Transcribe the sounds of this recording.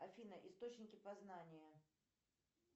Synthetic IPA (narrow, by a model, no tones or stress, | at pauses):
ɐfʲinəʔist̪o̞t͡ɕnʲɪkʲɪpɐznanʲɪjə